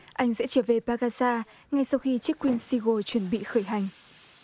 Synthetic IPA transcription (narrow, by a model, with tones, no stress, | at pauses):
ʔa˧jŋ̟zɛ̰˧˥t͡ɕəː˧˩ve˨˩paː˧ɣaː˧zaː˧ | ŋa˧jsa˧wxi˧t͡ɕi˦˥kːwi˧ənsi˧ɣo˧t͡ɕwə˧˩ənɓḭ˧˨xəː˧˩jɦa˨˩jŋ̟